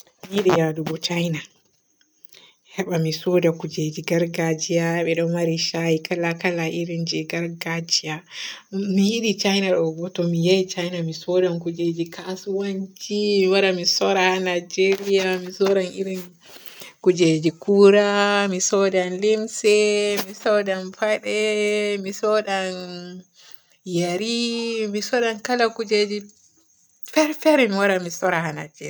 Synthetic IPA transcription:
mihiɗijadubɔt͡ʃajna | hɛɓamisɔdakud͡ʒed͡ʒiɡaɾɡad͡ʒijaɓɛɗɔnmaɾiʃahikalakalaʔiɾind͡ʒɛɡaɾɡad͡ʒija | mihiɗit͡ʃajnaɗɔɡɔtɔmijajit͡ʃajnamisɔdankud͡ʒed͡ʒikʰasuwaɲt͡ʃiiwaɾamisɔɾaanad͡ʒeɾijamisɔɾanʔiɾin | kud͡ʒed͡ʒikuɾamisɔdanlimsɛmisɔɗanfaɗɛmisɔɗan | jaɾimisɔɗankalakud͡ʒed͡ʒi | fɛɾfɛɾɛmiwaɾamisɔɾahana̰d͡ʒeɾa

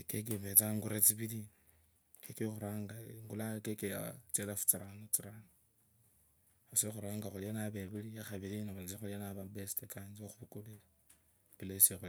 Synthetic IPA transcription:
kek̬iβet͡saŋɡuɾet͡siβili | kekexuɾaːŋɡaŋɡulakekeja̰t͡selafu̥t͡siɾanot͡siɾano | asexuɾaːŋɡaxulianaβeβilijaxaβiɾinauit͡sixulianaβabestekand͡ʒioxuβukulele | pilesiexu

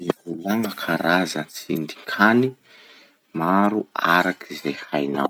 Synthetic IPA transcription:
ivulaŋəkʰaɾazənt͡sḭnd̪ikʰani | maɾuaɾakʰizehajna̰w

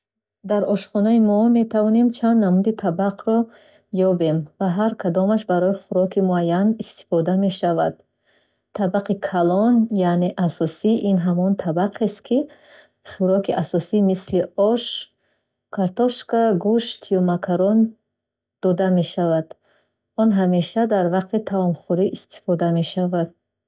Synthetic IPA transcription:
d̪aɾɔʃχɔnaimɔme̞t̪ʰavɔne̞mt͡ʃʰand̪namud̪it̪ʰabaqʰɾɔ | jɔbe̞mvaɦaɾkʰad̪ɔmaʃbaɾɔiχuɾɔkʰimuajːanist̪i̥fɔd̪ame̞ʃavad̪̥ | t̪ʰːabaqʰikʰalɔnjane̞ʔasɔsiʔinɦamɔnt̪ʰabaqʰest̪̚kʰi | χuɾɔkʰiʔasɔsimisliɔʃ | kʰaɾt̪ɔʃkaɡuʃt̪ʰijɔmakʰaɾɔn | d̪̥ɔd̪ame̞ʃavad̪̥ | ɔnɦame̞ʃad̪aɾvaqt̪it̪ʰavɔmχuɾiʔist̪ʰi̥fɔd̪ame̞ʃavad̪̥̚

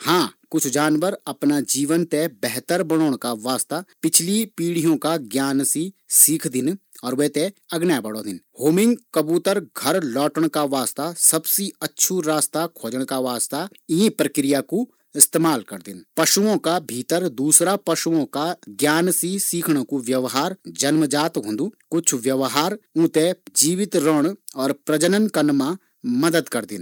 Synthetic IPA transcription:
hãːkʊt͡ʃʰd͡ʒaːnʋəɾɐpnad͡ʒiːʋənt̪ebɛɦt̪əɾbəɽoːɽ̃kaʋaːst̪apɪt͡ʃʰlipiːɽijõkaɡjaːnsisiːkʰd̪ɪn | ɔːɾʋɛt̪eɐɡnjabəɽoːd̪ɪnhoːmɪ̃ŋɡkəbuːt̪əɾɡʱɐɾlɔːʈəɽ̃kaʋaːst̪asɐbsiɐtːʃʰuɾaːst̪akʰoːd͡ʒəɽ̃kaʋaːst̪a | iɦĩpɾəkɾɪjaku | ɪst̪eːmaːlkɐɾd̪ɪnpɐʃuõkabʱiːt̪əɾd̪uːsɾapɐʃuõkaɡjaːnsisiːkʰɽ̃õkuʋjɐʋɦaːɾd͡ʒɐnməd͡ʒaːt̪ɦõːnd̪ukʊt͡ʃʰʋjɐʋɦaːɾũːt̪ed͡ʒiːʋɪt̪ɾəɽ̃ɔːɾpɾɐd͡ʒənənkɐnmã | mɐd̪əd̪kɐɾd̪ɪ̰n

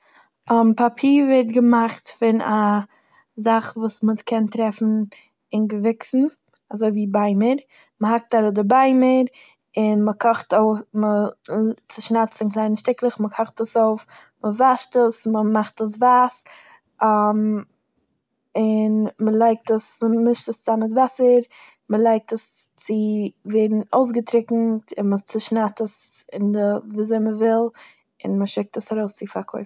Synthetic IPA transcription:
ampapʰiːɾvɛtɡəmaχtfɪna | zaχvuːsməkʰɛntɾɛfn̩ | ɪnɡəvɪksn̩ | azoɪviːbaɪməɾ | məhak̚taɾɔdəbaɪməɾ | ɪnməkʰɔχtoʊmə | t͡sɪʃnat͡sɪnklˠaɪnənʃtɪklˠəχməkʰɔχtəsoʊf | məvaʃtəsməmaχtəs̬vaːs | am | ɪnməlˠaɪk̚təsməmɪʃtəst͡samɪtvasəɾ | məlˠaɪk̚təst͡sɪveːdn̩oʊs̬ɡətɾɪkŋ̩tɪnmət͡səʃnatəsɪndəviːzoɪməvɪlˠ | ɪnməʃɪk̚təsaɾoʊst͡sɪfakʰoɪf̩

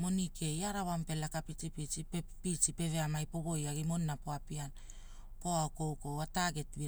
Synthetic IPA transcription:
mo̞nikʰe̞jaɾaβampe̞lakapit͡ʃipit͡ʃipepit͡ʃipe̞ve̞amajpo̞βo̞jaɡimo̞nːapo̞apian | ko̞aoko̞wko̞wataɡe̞tbi

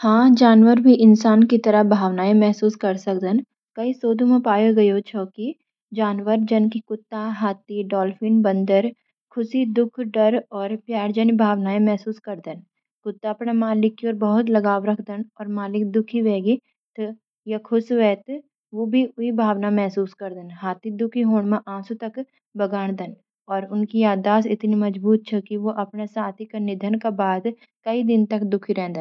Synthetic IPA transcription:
hãːd͡ʒaːnʋəɾbʱiʔɪnsaːnkit̪ɐɾəbʱaːʋnaːẽmɛɦsuːskɐɾsɐkd̪ən | kɐisoːd̪ʱõmẽpaːjoɡɐjot͡ʃʰɔːki | d͡ʒaːnwəɾd͡ʒɐnkikʊt̪ːaɦaːt̪iɖɔːlfɪnbɐ̃nd̪əɾ | kʰʊsid̪ʊkʰɖɐɾɔːɾpjaːɾd͡ʒənbʱaːʋnaːẽmɛɦsuːskɐɾd̪ən | kʊt̪ːaːpɳamaːlɪkːiɔːɾbɐɦʊt̪lɐɡaːʋɾɐkʰd̪ənɔːɾmaːlɪk̚d̪ʊkʰiʋeːɡi | t̪ | jakʰʊsʋɛːt̪ | ʋobʱiʊibʱaːʋnamɛɦsuːskɐɾd̪ənɦaːt̪ʰid̪ʊkʰiɦoːɽ̃mãʔãːsut̪ɐk | bɐɡaːɽ̃d̪ən | ɔːɾʊnkijaːd̪aːsɪt̪nimɐd͡ʒbuːt̪̚t͡ʃʰɛkiʋoʔɐpnesaːt̪ʰikanɪd̪ʱənkabaːd̪ | kɐid̪ɪnt̪ɐkd̪ʊkʰiɾɛ̃ːd̪ən

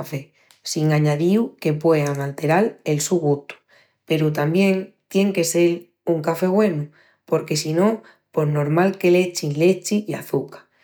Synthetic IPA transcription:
fe | siŋaɲaðiwke̞pwe̞aŋalt̪e̞ɾale̞lsuɣut̪u̥ | pe̞ɾut̪ambje̞ŋt̪je̞ŋke̞se̞l | uŋkafe̞ɣwe̞nu | po̞ɾke̞sino̞ | po̞ɾno̞ɾmalke̞le̞t͡ʃinle̞t͡ʃija̰θukḁ

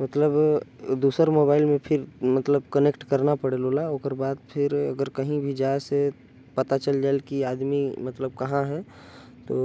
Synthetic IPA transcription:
mət̪ləbd̪uːsəɾmoːbaːɪlmẽpʰɪɾmɐt̪ləbkənekʈkəɾnapɐɽeloːlaoːkəɾbaːd̪̚pʰɪɾɐ̰ɡəɾkɐɦĩbʱid͡ʒaːese | pɐt̪at͡ʃəld͡ʒaːelkiaːd̪mimɐt̪ləb̚kɐɦãɦɛ | t̪oː

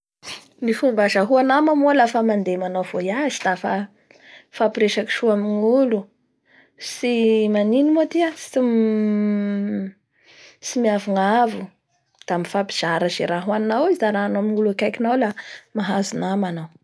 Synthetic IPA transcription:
nifubazaɦuanamamolafəmand̪emanawv̥ojazid̪afa | fapiɾeʃaki̥ʃuaminiulu | simaninimoat̪iasim | simiavuŋavu | d̪̥amifapi̥z̥aɾazeɾaɦwannːawiziaɾanaminuluakajkinawlamaɦazunamanaw

